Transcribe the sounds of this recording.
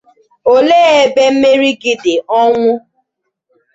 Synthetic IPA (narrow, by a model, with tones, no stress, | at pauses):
o˦leː˦e˦be˦m̩˦me˦ɾi˦ɡi˦dɪ˨ɔ˦ŋʷʊ˦